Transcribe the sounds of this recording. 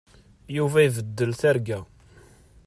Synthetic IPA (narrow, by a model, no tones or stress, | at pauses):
juvæjvəd̪ːəlθæɾɡæ